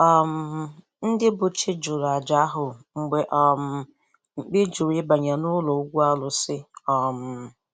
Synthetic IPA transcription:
ɔ˨m̩˨ | n̩˦dɪ˦bʊ˨t͡ʃɪ˦d͡ʒʊ˨ɾa˨d͡ʒa˨˦ɦʊ˨ŋ͡m̩˨ɡ͡be˨ʔɔ˨m̩˨ | ŋ͡m̩˨k͡pɪ˦d͡ʒʊ˨ɾɪ˦ba˨ɲa˨nʊ˦lo˨˦ɡʷu˦a˦lʊ˨sɪ˦ɔ˨m̩˨

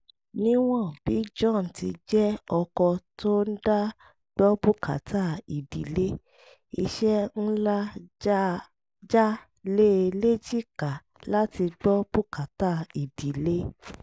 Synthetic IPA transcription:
nĩ˦w̃ɔ̃˦˨b̥i˨˦d͡ʒɔ̃˦˨n̩˨ti˧d͡ʒɛ˦ɔ˧kɔ˧tʰo˦n̩˦da˦ | ɡ͡bɔ˦bu˦kʰa̰˨tʰa˦i˨di˨le˦ | i˧ʃɛ˦n̩˦la˦ | d͡ʒa˦ | le˦˧le˦d͡ʒi˦˨ka˨ | la˦ti˧ɡ͡bɔ˦b̥u˦ka˨˦ta˦˨i˨di˨le˦

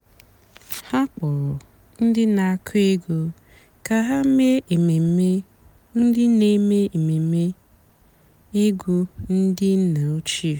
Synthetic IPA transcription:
ha˦k͡pɔ˨ɾɔ˨ | n̩˦dɪ˦na˨a˦˨kʰi˦ɡo˦ | ka˨ɦa˦me˦˨e˨me˦ | n̩˦dɪ˦ne˦me˦e˨me˨me˦ | i˦ɡu˦n̩˦dɪ˦n̩˦na˨o˦t͡ʃi˦˨

